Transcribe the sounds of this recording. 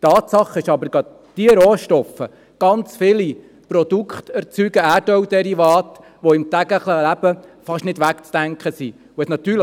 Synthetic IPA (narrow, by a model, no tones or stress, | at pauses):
tɑːt̪sɑχəɪʃɑbəɾɡɑd̪ | tiəɾoːʃtɔfə | ɡ̥ɑnt͡sfɪli | pɾɔd̥̪ukχt̪ɛɾt͡syɡ̥əæːdœwd̥ɛɾivɑːt̪ | ʋɔɪmt̪æɡəχləlæb̥əfɑʃnɪdʋækt͡sd̥æŋkχəsi | ʊɛsnɑt̪ːyːl